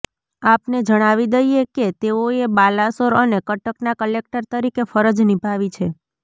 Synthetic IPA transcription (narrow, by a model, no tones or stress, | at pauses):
apned͡ʒəɽ̃aʋid̪əjeket̪eoebalasoɾənekəʈəknakəlek̚ʈəɾt̪əɾikefəɾəd͡ʒnipaʋit͡ʃʰe